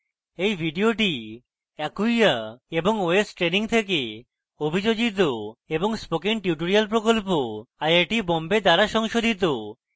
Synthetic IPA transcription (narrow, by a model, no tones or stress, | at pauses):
ejbʱiɖioʈi | ɛkujaeboŋoesʈɾeniŋt̪ʰeke | obʱid͡ʑod͡ʑit̪̬oeboŋspokiŋʈjuʈoɾialp̬ɾokolp̬oajaɾʈibombed̪aɾaʃɔŋʃod̪ʱit̪̬o